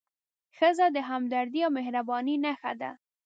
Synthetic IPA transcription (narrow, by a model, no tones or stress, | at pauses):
xəzad̪əɦamd̪aɾd̪iawmehɾabɑninaxad̪a̰